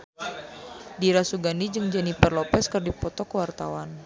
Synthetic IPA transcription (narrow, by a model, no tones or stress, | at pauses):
diɾasuɡandid͡ʒɨŋd͡ʒanipərlɔpɛskərdipɔt̪ɔkəwart̪a̰wan